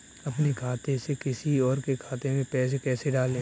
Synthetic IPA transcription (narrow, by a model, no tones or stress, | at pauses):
ɐpnekʰaːt̪esekɪsiɔːɾkekʰaːt̪emẽpɛːs̬ekɛːseɖaːlːẽː